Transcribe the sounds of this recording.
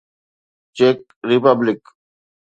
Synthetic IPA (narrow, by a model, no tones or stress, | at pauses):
t͡ʃeːk̚ | ɾipablɪk